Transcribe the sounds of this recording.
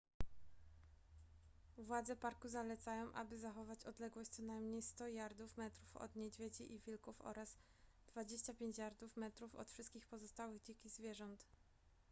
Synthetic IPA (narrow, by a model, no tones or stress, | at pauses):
vwad̪zɛpaɾkuzalɛt̪sajɔ̃w̃ʔa̰bɘzaxɔvat͡ɕɔd̪lɛɡwɔɕt͡ɕ̪ʲsɔnajmɲejst̪ɔjaɾd̪ufmɛt̪ɾufɔ̰d̪ɲɛd͡ʑvʲjed͡ʑiʔivʲilkufɔ̰ɾaz | d̪vad͡ʑeɕt͡ɕapʲjeɲt͡ɕjaɾd̪ufmɛt̪ɾufɔ̰t̪fʂɘst̪kʲixpɔzɔst̪awɘɣd͡ʑekʲizvʲjɛʐɔnt̪